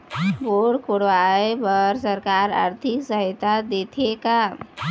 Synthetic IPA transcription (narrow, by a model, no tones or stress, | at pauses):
boɽkoɽʋaebəɾsəɾkaɾa̰ɾt̪ʰiksəɦit̪ad̪et̪ʰeka